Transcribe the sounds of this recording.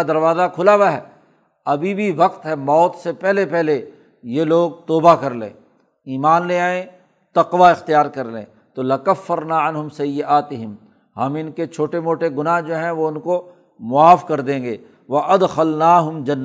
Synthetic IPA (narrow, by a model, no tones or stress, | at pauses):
d̪ɐɾʋaːzakʰʊlaʋaɦɛ̰ː | ɐbʱibʱiʋɐqt̪ɦɛmɔːt̪sepɛɦlepɛɦle | jeloːɡ̚t̪oːbakɐɾlḛ̃ː | iːmaːnleaːẽ | t̪ɐqʋaɪxt̪ijaːɾkɐɾlḛ̃ː | t̪oːlɪkɐfːɐɾnaːɪnɦʊmsɐjːɪʔaːt̪ɪɦɪm | hɐmɪnket͡ʃʰoːʈemoːʈeɡʊnaɦd͡ʒoːɦɛ̃ʋoʊnko | mʊaːfkɐɾd̪ẽːŋɡeː | ʋɐʔɐd̪xɐlnaːɦʊmd͡ʒɐnː